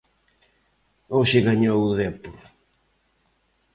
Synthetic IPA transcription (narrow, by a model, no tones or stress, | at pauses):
oʃɪɣaɲowʊðɛpʊɾ